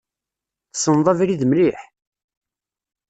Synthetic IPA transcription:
θə̥sːənðˤɑvɾiðmliħ

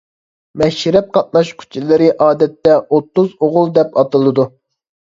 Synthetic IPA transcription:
mɛʃɾɛp̚qʰɑt̪̚mɑʃkʲʰy̥t͡ʃʰilɪɾɪʔɑːd̪ɛt̪ːɛʔot̪ːuzoʁʊlˠd̪ɛpɑt̪ɨlˠɨd̪u

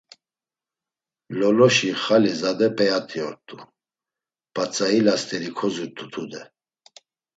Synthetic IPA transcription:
lɔlɔʃiχalizad̪ɛpʰʼɛat̪ʰʼiɔɾt̪ʼu | pʼat͡sʼailast̪ʰʼɛɾikʰɔzut̪ʰʼut̪ʰud̪ɛ

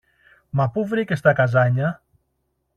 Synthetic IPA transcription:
mapuvɾikest̪akazaɲa

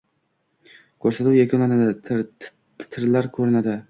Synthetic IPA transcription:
kʰɵɾsat̪uwjakʰonlanad̪ɪ | t̪ʰɪɾlaɾkʰɵɾɪnad̪ɪ

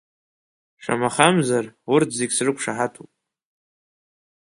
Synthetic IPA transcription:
ʂʷa̰maχamzarwʊrtʰzeɡʲsrɨkʷʂaħatʰupʼ

